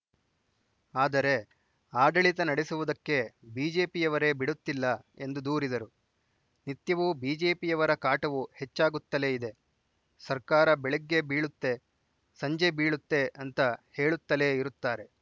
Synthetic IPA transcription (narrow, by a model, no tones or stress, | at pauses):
aːd̪ɐɾe̞ | aːɖɐɭit̪ɐnɐɽesuʋud̪ɐkːe̞biːd͡ʒe̞ːpijɐʋɐɾe̞ːbiɽut̪ːilːɐe̞nd̪ud̪uːɾid̪ɐɾu | nit̪jɐʋubiːd͡ʒe̞ːpijɐʋɐɾɐkaːʈɐʋuhe̞t͡ʃːaːɡut̪ːɐle̞ːid̪e̞ | sɐɾkaːɾɐbɛɭeɡːe̞biːɭut̪ːe̞ | sɐɲd͡ʒebiːɭut̪ːe̞ɐnt̪ɐhe̞ːɭut̪ːɐle̞ːiɾut̪ːaːɾe̞